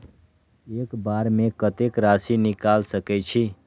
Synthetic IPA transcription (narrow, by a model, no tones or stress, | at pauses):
ekbaɾmekət̪ekɾasinikalsəkɛt͡ʃʰi